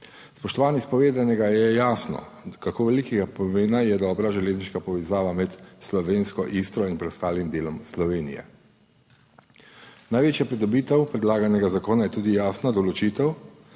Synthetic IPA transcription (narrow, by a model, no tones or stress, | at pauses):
spɔʃt̪ɔʋaːnjɛspɔʋeːd̪anɛɡajɛjaːsnɔ̰ | kakoːʋɛlikɛɡapɔmeːnajɛd̪ɔːbɾaʒɛleːzniʃkapɔʋɛzaːʋamɛt̪slɔʋeːnskɔʔist̪ɾɔinpɾɛd̪ɔst̪aːlimd̪eːlɔmslɔʋeːnḭjɛ̰ | najʋeːt͡ʃjapɾid̪ɔbiːt̪ɛwpɾɛd̪laːɡanɛɡazakoːnajɛt̪uːd̪ijaːsnad̪ɔlɔt͡ʃiːt̪ɛw